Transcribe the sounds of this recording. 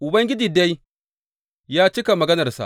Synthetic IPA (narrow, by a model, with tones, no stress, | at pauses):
ʔʊ˨bɐ˦ŋɡʲɪ˦d͡ʒiː˨da˦j | jaː˦t͡ʃɪ˦ka˨mɐ˨ɡɐ˦nɐ˨rsa̰˨